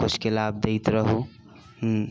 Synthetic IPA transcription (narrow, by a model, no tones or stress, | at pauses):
kʊt͡ʃʰkelab̚d̪eɪt̪ɾəɦo | ɦ